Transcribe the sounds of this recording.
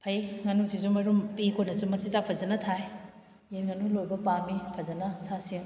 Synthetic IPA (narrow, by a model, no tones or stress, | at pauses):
pʰɐjŋɐnusisumɐɾumpikʰonɐsumɐsizapʰɐzɐnɐtʰaj | eɾŋɐnulojbɐpamipʰɐzɐnɐsasiŋ